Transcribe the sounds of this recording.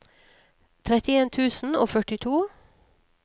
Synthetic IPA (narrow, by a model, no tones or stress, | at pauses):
t̪ʰɾɛt̪ɪeːnt̪ʰʉːsn̩o̰ːfœʈɪt̪ʰuː